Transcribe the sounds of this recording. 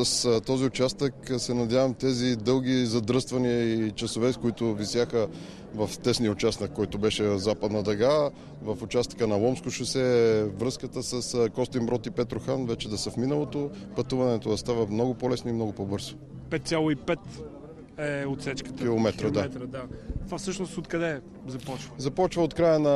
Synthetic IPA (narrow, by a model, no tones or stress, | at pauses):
səst̪ɔziʊt͡ʃast̪əksɛnɐd̪ʲjavɐmt̪ɛzid̪ɤlˠɡʲizɐd̪ɾɤst̪vɐniəit͡ʃɐsovɛskoit̪ʊvisjaxə | vɐft̪ɛsnijəʊt͡ʃasnəkːɔjt̪ʊbɛʃɛzapəd̪nɐd̪ɐɡa | vɐfʊt͡ʃast̪ə̥kənɐlˠɔmskʊʃɐsɛvɾɤskət̪əsəskɔst̪imbɾɔt̪ipɛt̪ɾʊxanvɛt͡ʃɛd̪ɐsəfminəlˠot̪opɐt̪uvɐnɛt̪od̪ɐst̪avɐmnɔɡʊpolɛsnoimnɔɡʊpɔbɤɾzo̥ | pɛt̪sʲjalˠʊipɛt̪ | ɛot̪sɛt͡ʃkə̥t̪kʲilˠomɛt̪ɾəd̪at̪ɾd̪at̪vafsɤʃnʊst̪ot̪kɐd̪ɛ | zɐpɔt͡ʃvəzɐpɔt͡ʃvəot̪kɾajənɐ